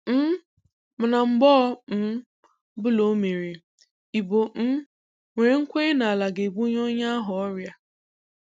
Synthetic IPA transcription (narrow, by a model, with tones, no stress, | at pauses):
m̩˦ | m̩˨na˨m̩˨bɔ˦m̩˦ | bʊ˦lo˦me˨ɾi˨ | i˨bo˨m̩˦ | ŋʷe˨˦ŋ̩˦kʷe˦na˨a˨la˨ɡe˨ɡ͡bu˦ɲo˦ɲa˦a˦ɦʊ˨ɔ˦ɾja˦